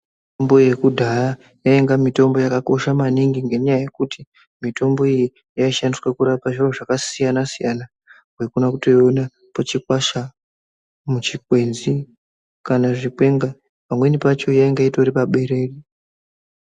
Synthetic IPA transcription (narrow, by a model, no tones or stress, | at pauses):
itombo̞je̞kudʱara | jaeŋɡamito̞mbo̞jakako̞ʃamaniŋɡiŋɡe̞ɲajaje̞kuti | mito̞mbo̞iji | jaiʃandiswekuɾapaʐiroʐakasijanasijana | we̞kunakuto̞jona | pot͡ʃikwaʃa | mut͡ʃikwe̞nzi | kanaʐikwe̞ŋɡa | pamwe̞nipat͡ʃo̞jaeŋɡaitoɾipaɓe̞ɾe̞ːri